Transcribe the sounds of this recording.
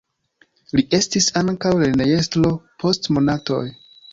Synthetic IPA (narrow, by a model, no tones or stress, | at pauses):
liʔe̞stisaŋkawlenejestlo̞pʰo̞stmo̞nato̞̰j